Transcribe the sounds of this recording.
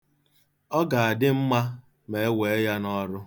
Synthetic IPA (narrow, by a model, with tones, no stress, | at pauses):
ɔ˦ɡa˨a˨dɪ˦m̩˦ma˦ | me˨e˦we˨e˦ja˦nɔ˦ɾʊ˦